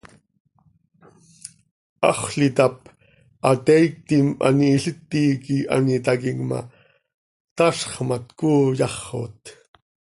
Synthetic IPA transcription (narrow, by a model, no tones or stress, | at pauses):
ʔɑ̰χɬit̪ɑp̚ | ʔɑt̪ɛik̚t̪ima̰niːɬət̪ːiːkiʔa̰nit̪akiŋma̰ | t̪ɑʃχmat̪kuːjɑχo̰t̪